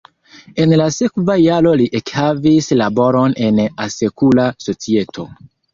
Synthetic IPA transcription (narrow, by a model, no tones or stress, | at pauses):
e̞nlase̞kvajaɾo̞liʔekhavislabo̞ɾo̞ne̞nase̞kulaso̞t͡sie̞tʰo̞